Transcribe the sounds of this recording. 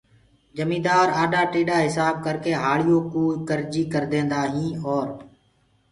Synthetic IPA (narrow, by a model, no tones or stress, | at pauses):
d͡ʒəmĩːd̪aːɾaːɗaːʈiːɗaːɦɪsaːb̚kəɾkeːɦaːɭɪjoːkuːkəɾd͡ʒiːkəɾd̪ẽːnd̪aːɦĩːɔːɾ